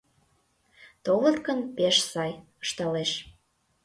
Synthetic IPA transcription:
t̪olə̆t̪kə̆npeʃsɑjə̥ʃt̪ɑleʃ

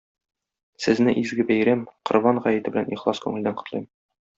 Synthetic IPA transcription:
sɘ̆znɘʔizɡɘbæjɾæmqŏɾβɑɴʁɑjɘ̆t̪ɘ̆bɘ̆læniχlˠɑskʉŋɘ̆ld̪æɴqŏ̥t̪lˠɤjm

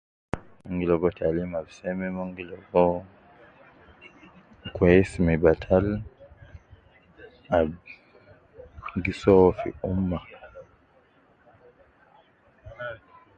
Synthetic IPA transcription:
mɔŋɡilɔɡɔtʰalimabisɛmɛmɔŋɡilɔɡɔ | kwesmibatʰal | a | ŋɡisɔfḭumːa

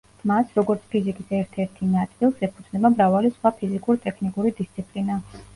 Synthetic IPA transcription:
masɾɔɡɔɾt̪sʰpʰizikʼisɛɾt̪ʰɛɾt̪ʰinat̪sʼilˠsɛpʰud̪znɛbamɾavalisχwapʰizikʼuɾt̪ʼɛkʰnikʼuɾid̪ist̪sʰipʼlina

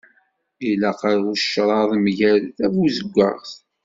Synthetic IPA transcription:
ilæqɑɾuʃɾˤɑðˤmʝælθævuzəɡʷːæ̰ʁθ

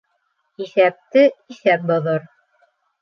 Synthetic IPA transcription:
iθæp̚t̪ɘiθæp̚bŏðɤɾ

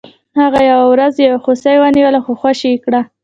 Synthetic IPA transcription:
haɣajawawɾazjawxosajwaniwəlaxoxwaʃikɽa

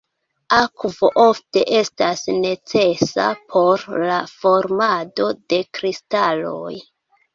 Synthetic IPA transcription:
akvo̞̰ʔo̞fte̞ʔe̞stasne̞t͡se̞sa̰pʰo̞ɾlafo̞ɾmado̞de̞kɾistalo̞̰j

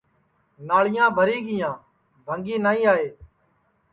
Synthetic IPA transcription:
naːɭɪjãːbʱəɾiːɠɪjãː | bʱəŋɡiːnaːĩːaːeː

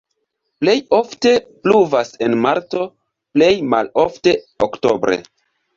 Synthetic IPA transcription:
ple̞jo̞fte̞pluvase̞nmaɾto̞ | ple̞jma̰lo̞fte̞ | o̰kto̞̰bɾʔḛ

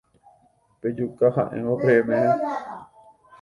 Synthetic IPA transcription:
ped͡ʒukahã̰ʔḛ̃opeemẽʔẽ

